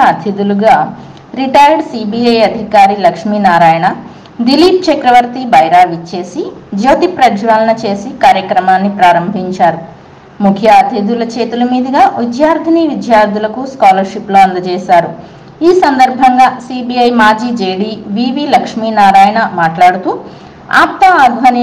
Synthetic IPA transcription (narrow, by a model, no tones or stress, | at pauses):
ɐt̪ʰid̪uluɡaː | ɾiʈɐjɖsiːbiːɐjɐd̪ʱikaːɾilɐkʂmiːnaːɾaːjɐɳɐ | d̪iliːp̚t͡ʃɐkɾɐʋɐɾt̪ibʱɐjɾaːʋit͡ʃːe̞ːsid͡ʒoːt̪ipɾɐɡʋaːlɐnɐt͡ʃe̞ːsikaːɾjɐkɾɐmaːnːipɾaːɾɐmbʱiɲt͡ʃaːɾu | mukʰjaːɐd̪ʰeːd̪ulɐt͡ʃeːt̪ulɐmiːd̪ɐɡaːʋid̪jaːɾd̪ʱɐniʋid̪jaːɾd̪ʱilɐkuskaːlɐɾʃiploːɐnd̪ɐt͡ʃɛːʃaːɾu | iːsɐnd̪ɐɾbʱɐŋɡaːsiːbiːɐjmaːd͡ʒiːd͡ʒeːɽiːʋiːʋiːlɐkʂminaːɾaːjɐɳɐmaːʈlaːɽut̪uː | a̰ːp̚t̪aaːɡʱʋɐni